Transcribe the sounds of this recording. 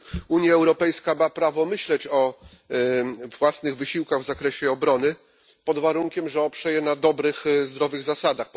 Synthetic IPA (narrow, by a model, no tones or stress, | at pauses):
uɲjaɛwɾɔpɛjskamapɾavɔmɘɕlɛt͡ɕɔ | vwasnɘɣvɘɕiwkaɣvzakɾɛɕɛɔbɾɔnɘ | pɔd̪vaɾuŋkʲɛmʐɛɔpʂɛjɛnad̪ɔbɾɘxzd̪ɾɔvɘɣzasad̪axp